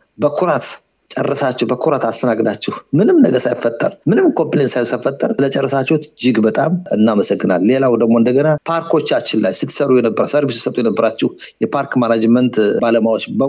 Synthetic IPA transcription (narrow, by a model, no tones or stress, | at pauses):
bəkʰuɾat̪ | t͡ʃʼɛ̰rːəsat͡ʃːɛhbəkʰuɾat̪ast̪ʰənaɡɨd̪at͡ʃːɛhmɨnɨmnəɡəsajɪfːət̪ʼːə̰ɾmɨnɨmkʰo̞mplensajsajfːət̪ʼːəɾlət͡ʃʼɛrːəsat͡ʃːɛhut̪d͡ʒɪɡbət̪ʼamɨnːaməsəɡːɨnalːe̞lawd̪əɡmo̞ɨnd̪əɡənapʰaɾkʰo̞t͡ʃːat͡ʃːɪnlːajsɨt̪ʰːsəɾujɛnəbːəɾasəɾubisɨsət̪ʼujɛnəbːəɾat͡ʃːɛh | jɛpʰaɾkmanad͡ʒmənt̪baləmawot͡ʃːbə